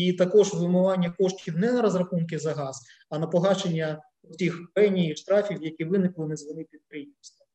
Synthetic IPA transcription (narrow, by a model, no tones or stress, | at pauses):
it̪ɐkɔʒʋɪmʊʋɑnʲːɐkɔʃtʲkʲiwnɛnɐɾɐzrɐxumkɪzɐɦɑz | ɐnɐpɔɦɑt͡ʃenʲːɐ | t̪ʲixpɛnʲijiʃt̪ɾɑfʲiwjɐkʲiʋɪnɪklˠɪnɛzʋɔnɪpʲid̪̚pɾɪjisʲt̪ʲɐ